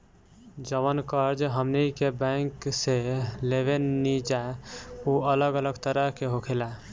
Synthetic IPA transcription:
d͡ʒəβənkəɾd͡ʒɦəmnikebə̃ŋkselebenːid͡ʒauələɡələɡt̪əɾəɦkeɦokʰela

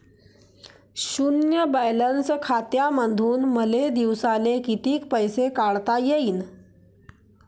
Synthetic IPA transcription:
ɕunjəbəjlənskʰat̪jamənd̪ʱuːnməled̪iʋsalekit̪iːkpəjsekaɭt̪ajeiːn

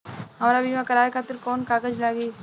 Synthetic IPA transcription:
ɦɐmɾabiːmãkəɾaːekʰaːt̪əɾkɔːnkaːɡəd͡ʒlaɡeː

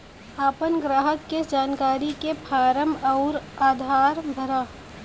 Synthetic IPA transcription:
aːpənɡɾaːɦəkked͡ʒaːnkaːɾikepʰaːɾəmɔʊɾaːd̪ʱaːɾbʱəɾaː

